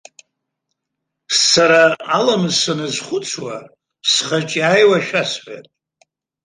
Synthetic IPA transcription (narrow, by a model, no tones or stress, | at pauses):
saɾaalamsanɨzχʷʊt͡sʰwa | sχat͡ʃʼiajwaʃᶣasħʷa̰tʼ